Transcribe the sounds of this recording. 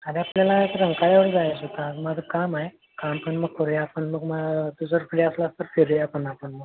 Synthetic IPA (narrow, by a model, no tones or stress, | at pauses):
ad̪iapljalat̪əɾəŋkaɭjaʋəɽd͡zajesut̪amad͡zəkamaɦe | kampəɳməɡ̚kəɾjapəɳməɡmət̪ut͡səɾpʰiɽiaslast̪əɾfeɾjapəɳapəɳməɡ